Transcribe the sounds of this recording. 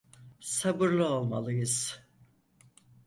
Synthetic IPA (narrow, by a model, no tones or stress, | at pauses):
sabɯɾlˠɯolˠmalˠɯjɯz̥